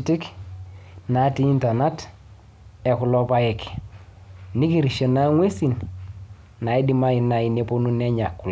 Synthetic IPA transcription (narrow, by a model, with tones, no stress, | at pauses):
ti˦k | na˨˦ti˦i˦nta˨na˦t | ɛ˨kʊ˨lɔ˦pa˦jɛ˨k | ni˦ki˦˨ɾi˨ʃe˨na˦ŋwe˦si˨n | na˨i˦di˦ma˦i˨na˨i˨ne˦po˦nu˦nɛ˦ɲa˨kːʊ˨l